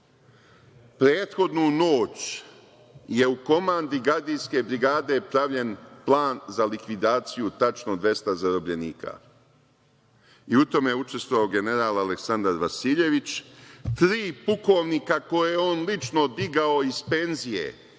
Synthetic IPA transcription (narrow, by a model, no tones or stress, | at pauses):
pɾeːt̪xo̞d̪nuno̞ːt͡ɕ | je̞uko̞maːnd̪iɡaɾd̪ijske̞bɾiɡaːd̪e̞pɾaʋʎe̞nplˠaːnzalikʋid̪aːt̪sijut̪at͡ʃno̞d̪ʋje̞st̪azaɾo̞bʎe̞niːka̰ | iut̪o̞mejeut͡ʃe̞st̪voʋaoɡe̞ne̞ɾaːlaleksand̪aɾʋasiːʎe̞ʋit͡ɕt̪ɾiːpuko̞ʋnikako̞jejeo̞nlit͡ʃno̞d̪iɡao̞izpe̞nzije̞̰